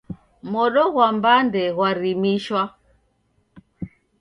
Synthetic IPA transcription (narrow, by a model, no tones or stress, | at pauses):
mɔɗɔɣwambandɛɣwaɾimiʃwa